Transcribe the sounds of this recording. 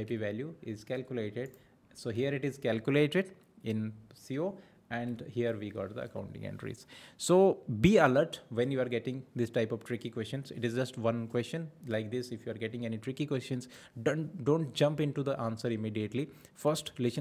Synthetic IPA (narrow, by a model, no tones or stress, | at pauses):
aɪpiʋæljuɪzkælkjʊleːʈeɖ | soːɦiəɾɪʈɪzkælkjʊleːʈeɖ | ɪ̃nsioː | ɛ̃ɳɖhiəɾʋiɡɔ̰ːʈd̪ə̰ə̰kãʊ̃ɳʈɪ̰̃ŋɛ̰̃ɳɖɾḭːzsoːbiːələɾʈʋɛ̃njuːaɾɡeʈɪ̃ŋd̪ɪsʈaɪpɔʋʈɾɪkikwɛst͡ʃə̃nsɪ̰ʈɪzd͡ʒʌsʈʋʌ̃nkwɛst͡ʃə̃nlaɪk̚d̪ɪsɪfjuːaɾɡeʈɪ̃ŋɛniʈɾɪkikwɛst͡ʃə̃nz | ɖõːɳʈ̚d͡ʒʌ̃mpɪ̃ɳʈud̪əʔãːnsəɾɪmiːɖieʈli | fəɾsʈlɪs